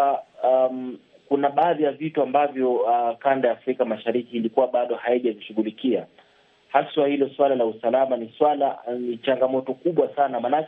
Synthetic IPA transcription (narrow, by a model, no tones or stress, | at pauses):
kunaɓaːðijavituambavjɔkandajaːfɾikamaʃaɾikiːlikuwaɓaɗɔhaiʄaviʃuɣulikia | haswahilɔswalalausalamaniswalanit͡ʃaŋɡamɔtɔkuɓwasanamanak